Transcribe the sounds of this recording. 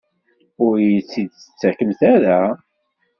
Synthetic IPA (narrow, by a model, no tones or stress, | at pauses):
ʊɾjit͡sːid̪sə̥t͡sːækəmθæɾæ